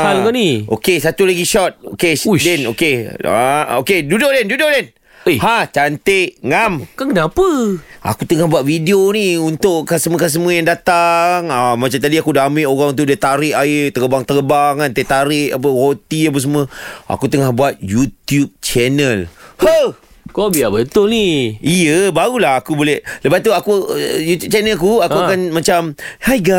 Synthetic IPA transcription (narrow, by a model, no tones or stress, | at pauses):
alkɔniokesat̪ulaɡiʃɔt̪̚okedɛnokea̰okedudoʔdɛndudoʔdɛn | hãt͡ʃant̪eʔŋamkaŋkənapəa̰kut̪əŋahbuat̪̚vidioniunt̪ʊʔkasəm̃əkas̬əmũəjaŋdat̪aŋamat͡ʃamt̪adiakudaːmɪʔoɾaŋt̪̬udət̪aɾɪʔaɪt̪əkəbaŋt̪əəbaŋkant̪et̪aɾɪʔap̬əhot̪iap̬əs̬əmũə̃ʔa̰kut̪əŋahbuat̪̚jut̪jup̚t͡ʃɛnəlhə | kobiabət̪ʊlniijəbaɣulaɦakubolɛhləbat̪uakujut̪jub̚t͡ʃɛnəlkuakuakanmat͡ʃamhajɡa